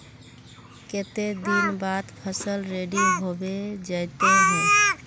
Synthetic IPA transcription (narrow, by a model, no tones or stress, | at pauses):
ket̪ed̪inbad̪pʰəsəlɾeɖiɦobed͡ʒəjt̪eɦɛ̃